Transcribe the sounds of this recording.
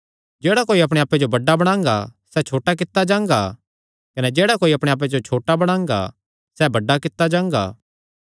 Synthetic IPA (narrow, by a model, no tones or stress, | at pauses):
d͡ʒeːɽakoːiɐːpɽ̃eaːped͡ʒobɐɖːabɐɽ̃ãːŋɡa̰sɛt͡ʃʰoːʈak̬ɪt̪ːad͡ʒãːŋ̆ɡa | kɐnɛd͡ʒeːɽakoːiɐpɽ̃eaːp̬ed͡ʒot͡ʃʰoːʈabɐɽ̃ãːŋ̆ɡa̰ | sɛbɐɖːakɪt̪ːad͡ʒãːŋ̆ɡa̰ː